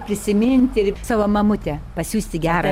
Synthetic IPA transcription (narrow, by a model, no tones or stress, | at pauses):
pʲɾʲɪsʲɪmʲɪnʲt̪ʲɪɾsɑːʋoːmɐmʊt̪ʲɛpɐsʲuːsʲt̪ʲɪɡʲæːɾɐ